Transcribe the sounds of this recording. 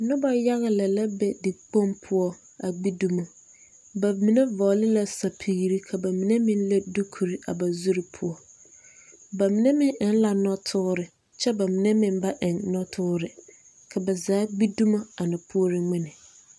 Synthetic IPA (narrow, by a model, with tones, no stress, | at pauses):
nʊ̃˦bɔ˨˦ja˦ɣa˨lɛ˨lɛ˦bɛ˦dɪ˨k͡põ˦mpʰʊ˦ɔ˦ | a˨ɡ͡bi˦du˦mã˨ | bæ˨mĩ˨nɛ̃˦vɔː˨lɪ˦la˨sa˨pʰiː˨ɾi˦kʰa˨ba˨mĩ˨nɛ̃˦mɪ̃˦n˦lɛ˦du˦kʰu˨ɾi˨ʔa̰˨ba˨zu˦ɾɪ˨pʰʊ˨ɔ˨ | ba˨mĩ˨nɛ̃˦mɪ̃˦ɪ̃˨n̩˦la˨nɔ̃˦tʰʊː˦ɾɪ˨ | t͡ɕʰɛ˦ba˨mɪ̃˨nɛ̃˦mɪ̃˨m˦ba˦ʔɪ̃˨nnɔ̃˦tʰʊ˦ɾɪ˨ | kʰa˨bɛ˨zaː˨˦ɡ͡bi˦du˦mã˦a˨nɪ̃˨pʰu˦ɔ˦ɾɪ˦ŋ͡mɪ̃˦nɪ̃˨